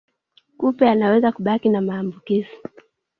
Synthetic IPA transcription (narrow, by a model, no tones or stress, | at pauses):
kupɛanawɛzakuɓakinamaːmbukizi